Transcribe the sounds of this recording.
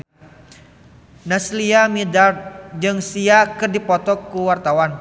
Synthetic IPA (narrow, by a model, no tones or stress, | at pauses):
nasliamidard͡ʒɨŋsiakɨrdipɔt̪ɔkuwart̪awan